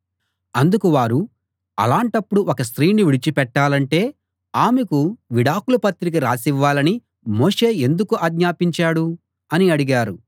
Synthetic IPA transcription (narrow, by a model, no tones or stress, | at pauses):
ɐnd̪ukuʋaːɾu | ɐ̰laːɳʈɐpːuɽuʔɔkɐst̪ɾiːniʋiɽit͡ʃipɛʈːaːlɐɳʈe̞ː | aːmekuʋiɽaːkulɐpɐt̪ːɾik̬iɾaːsiʋːaːlɐni | mo̞ːʂe̞ːe̞nd̪ukuʔaːɡɲaːpiɲt͡ʃaːɽu | ɐniɐɽiɡaːɾu